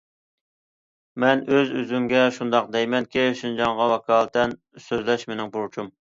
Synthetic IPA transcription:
mɛnøzøzyŋɡʲɛʃund̪ɑq̚d̪ɛjmɛnkʲeʃind͡ʒɑŋʁɑwɛkʰɑːlˠt̪ɛn | søzlɛʃmenɪŋbuɾt͡ʃʰum

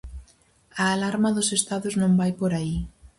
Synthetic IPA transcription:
aːlaɾmɐðʊsest̪aðʊznõmbajpoɾai

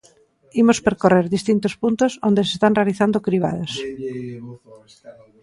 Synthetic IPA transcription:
imospeɾkoreɾðist̪int̪ospunt̪osond̪esest̪anrealiθand̪okɾiβ̞a̰ðos

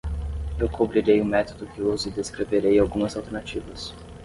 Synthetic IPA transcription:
ewkʰobɾiɾejʊmɛt̪od̪ʊkɪozɪd̪eskɾeveɾejawɡũmɐzawˠt̪eɾnat͡ʃivɐs

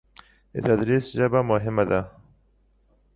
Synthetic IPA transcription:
ḛt̪ad̪ɾisʒabamʊɦɪmad̪a

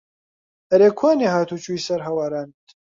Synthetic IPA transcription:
ɐɾeːkʰwaːneːɦaːt̪ut͡ʃuisɐɾɦɐwaːɾaːnit̪

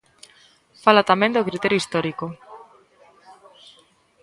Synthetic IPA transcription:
falat̪amẽnd̪okɾit̪eɾjoist̪ɔɾiko

